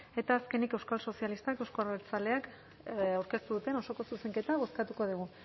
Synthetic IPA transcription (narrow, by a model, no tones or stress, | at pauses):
e̞t̪aːske̞nike̞wskalso̞sialist̪akewsko̞aɾβeɾt͡sale̞ak | awɾke̞st̪uðut̪e̞no̞so̞ko̞suse̞ŋke̞t̪aβo̞skat̪uko̞ð̞uɣ̞u